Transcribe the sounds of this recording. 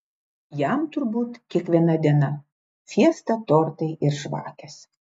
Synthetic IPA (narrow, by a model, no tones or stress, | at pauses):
jæˑmt̪ʊɾbuːt̪kʲiɛkʋʲiɛnɐd̪ʲiɛnɐ | fʲiɛst̪ɐt̪oːɾt̪ɐɪʔɪɾʃʋɑ̰ːkʲɛs